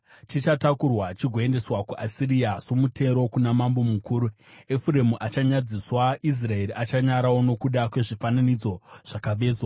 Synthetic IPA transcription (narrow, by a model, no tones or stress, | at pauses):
t͡ʃit͡ʃatakurwat͡ʃiɡʱoe̞nde̞swakuʔasiɾiasomutʰe̞ɾo̞kunamambo̞mukʰuːɾu | efuɾe̞muʔat͡ʃaɲad͡ziswaʔis̬rae̞ɾiʔat͡ʃaɲaɾawo̞no̞kuɗakwe̞ʐifananid͡zo̞ʐ̥akaʋe̞ːzwa